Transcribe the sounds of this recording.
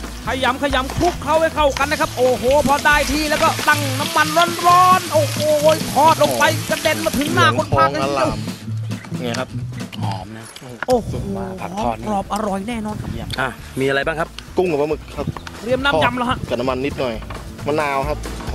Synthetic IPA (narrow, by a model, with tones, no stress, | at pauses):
kʰa˧ja˨˦mkʰa˧ja˨˦mkʰu˦˥kʰːa˦˥wha˧˥˩jkʰa˨˩wka˧nːa˦˥kʰa˦˥p̚ʔoː˨˩hoː˨˩˦pʰɔ˧daː˧˩jt̪ʰiː˥˩lɛː˦˩wkɔː˧˩t̪a˥˩ŋna˦˧˥mːa˧nɾɔː˦˥nɾɔː˦˥nʔoː˧˩hoː˨˩˦kʰɔː˨˧˩t̪̚lo˧ŋpa˧jka˧de˧nma˧˩t̪ʰɯ˨˦ŋnaː˧˩ko˧naː˨˩˦laː˧˩˧m˨ | ŋa˧˩kʰa˦˥p̚t̪ʰɔː˨˦mna˦˥ | ʔoː˧˩hoː˨˩˨ɔ˧˦˧kɾɔː˨˩p̚ʔa˧ɾɔ˨˩jnɛː˥˩nɔː˧˩nkʰa˦˥pʔaː˨˧˩ | miː˧ʔa˧ɾa˧jbaː˥˩ŋkʰa˦˥p̚ku˥˩ŋka˨˩pa˧mɯ˨˩k̚kʰa˦˥p̚ɾi˧˩əmnaː˧˥˩m˧ja˧mla˧˩ɦa˦˧˥ʔɯ˨˩t̪̚na˦ma˧nːi˦˥t̪̚nɔ˨˩jma˧nːaː˧wkʰa˦˥p̚